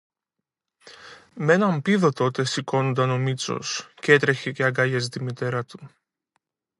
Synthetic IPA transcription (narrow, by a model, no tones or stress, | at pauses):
me̞nɐmpiðo̞t̪o̞t̪e̞siko̞nond̪ɐno̞mit͡so̞̰sce̞t̪ɾe̞çe̞ceɐɡɐʝɐs̬t̪imit̪e̞ɾɐt̪u̥